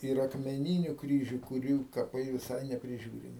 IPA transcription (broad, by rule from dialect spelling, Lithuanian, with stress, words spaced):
ɪr ɐkmʲɛˈnʲiːnʲʊ ˈkrʲiːʒʲʊ kʊˈrʲuː kɐˈpɐɪ ʋʲɪˈsɐɪ nʲɛpʲrʲɪˈʒʲuːrʲɪmʲɪ